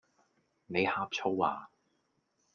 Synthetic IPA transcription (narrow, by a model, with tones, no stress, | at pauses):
ne˨˧jhaː˥p̚t͡ʃʰo˥wa̰ː˨˩